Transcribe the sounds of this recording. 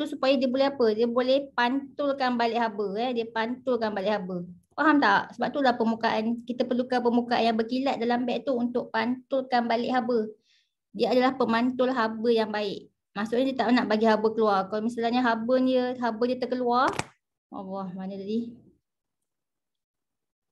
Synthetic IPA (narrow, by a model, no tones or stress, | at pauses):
t̪usupajadiəbolɛhapədiəbolɛhpant̪ʊlkanbalɪʔɦabəɛdiəpant̪ʊlkanbalɪʔhabə | paɦamt̪aʔsəbap̚t̪ulahpəmukaʔankit̪əpərlukanpəmukaʔa̰njaŋbəkilat̪̚dalambɛʔt̪uunt̪ʊʔ̚pant̪ʊlkanbalɪʔɦabə | diəadalahpəmant̪ʊlɦabəjaŋbaɪʔ | maʔsʊʔɲadiət̪aʔmənaʔbaɡiɦabəkəluarkalomisalaɲaɦabəniəɦabədiət̪əkəluar | wɑ̰lːɔhmanədadi